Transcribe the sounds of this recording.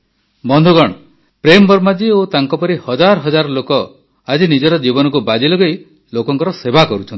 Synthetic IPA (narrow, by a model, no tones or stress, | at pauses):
bɔnd̪ʱuɡɔɽ̃ɔ | pɾembɔɾmad͡ʒiot̪aŋkɔpɔɾihɔd͡ʒaɾɔɦɔd͡ʒaɾɔlokɔ | ad͡ʒinid͡ʒɔɾɔd͡ʒibɔnɔkubad͡ʒilɔɡej | lokɔŋkɔɾɔsebakɔɾut͡ʃʰɔnt̪i